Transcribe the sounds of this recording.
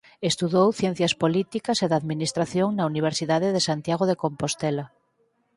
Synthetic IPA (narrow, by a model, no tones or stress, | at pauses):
est̪uðowθjẽn̟θjɐspolit̪ikɐseðaðminist̪ɾaθjoŋnauniβ̞eɾsiðaðeðesant̪jaɣ̞oðekompost̪ɛla